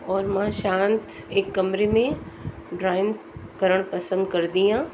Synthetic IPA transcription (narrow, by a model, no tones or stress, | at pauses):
ɔːɾmãʃãːnt̪eːkːɐmɾemẽ | ɖɾaːɪn | kɐɾəɽ̃pɐsə̃nd̪kɐɾd̪iɦãː